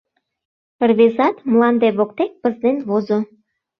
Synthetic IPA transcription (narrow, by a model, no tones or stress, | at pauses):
ərβezɑt̪mlɑnd̪eβok̚t̪ek̚pəzd̪enβozo